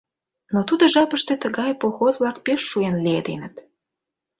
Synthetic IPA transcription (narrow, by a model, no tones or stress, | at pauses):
not̪ud̪oʒɑpəʃt̪et̪əɣɑjpoxozβlɑkpeʃːuenlied̪ḛnət̪